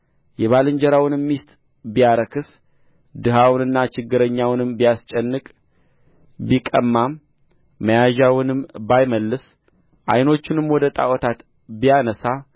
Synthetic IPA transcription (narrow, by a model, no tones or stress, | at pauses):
jɛβalɨɲd͡ʒɛɾawnɨmːist̪ʼ | bijaɾəkʰɨs | d̪ɨɦawnɨnːat͡ʃɪɡːɨɾəɲːawnɨmbijast͡ʃʼɛnːɨkʼ | bikʼə̰mːamː | əjaʒawɨnɨmbajməlːɨs | ʔa̰jno̞t͡ʃːɪnɨmwɔd̪ət̪ʼa̰wɔt̪ʰat̪ | bijanəsa